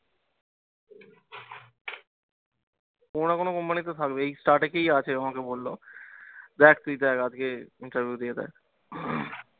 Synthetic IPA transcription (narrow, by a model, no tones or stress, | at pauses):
onakonokɔmpanit̪̬ot̪ʰakbeejsʈaɾʈekeiat͡ɕʰeamakebolːo | d̪ɛk̚ʰt̪id̪ɛkad͡ʑkeiɳʈəɾʋʱjud̪ijed̪ɛ̰k